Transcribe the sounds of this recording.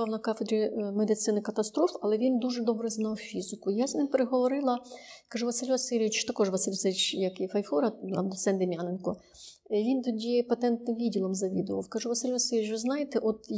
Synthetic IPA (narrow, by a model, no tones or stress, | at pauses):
ɑwnɐkɑfed̪ɾʲimed̪ɪsɪnɪkɐt̪ɐst̪ɾɔfɐlˠɛʋʲind̪uʒɛd̪ɔbɾɛznɑwfʲizɪkʊjaznɪmpeɾeɦɔʋɔɾɪlˠɐkɐʒuʋɐsɪlʲʋɐsɪlʲʋʲit͡ʃt̪ɐkɔʒʋɐsɪlʲsɪt͡ʃjɐkifɐjfˠɔɾɐɐd̪ɔsɛnd̪ɪmʲjanenkɔ | ʋʲint̪ɔdʲipɐt̪ɛnt̪nɪmʋʲidʲilˠɔmzɐʋʲid̪ʊʋɐ̰wkɐʒuʋɐsɪlʲʋɐsɪlʲɪt͡ʃʋɪznɑjet̪ɛʔɔt̪